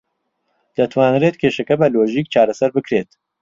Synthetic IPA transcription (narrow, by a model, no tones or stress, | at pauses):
d̪̥ɐt̪ʰwaːnreːt̪kʰʲeʃɐkɐbɐloːʒiːk̚t͡ʃʰaːɾɐsɐɾbɨkɾet̪